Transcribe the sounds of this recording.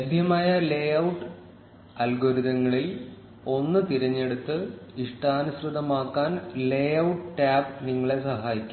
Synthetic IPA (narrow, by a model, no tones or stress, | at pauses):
ɐd̪ʱjɐmaːjɐle̞jɐwʈːɨ | ɐlɡoːɾuðɐŋːɐɭil | o̞nːɨt̪iɾɐɲːe̞ɽut̪ːɨiʂʈaːnɐsrɨðɐmaːkːaːnleːjɐwʈʈaːbniŋːɐɭe̞sɐɦaːjikʲːu